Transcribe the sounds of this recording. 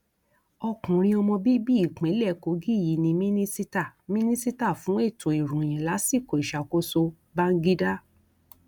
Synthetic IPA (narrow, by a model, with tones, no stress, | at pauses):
ɔ˧kũ˨ɾ̃ĩ˧ɔ˧mɔ̃˧bi˦bi˦i˨k͡pẽ˨˦lɛ˦˨ko˨˦ɡi˦˨ji˨˦nĩ˧mĩ˦nĩ˦si˦ta˦˨mĩ˦nĩ˦si˦ta˦˨fũ˨˦e˦˨tũ˨i˨ɾũ˨j̃ɛ̃˨la˨˦si˦˨ko˨i˨ʃa˨ko˧˦so˧ | ba˦ŋ̩˦ɡi˦da˦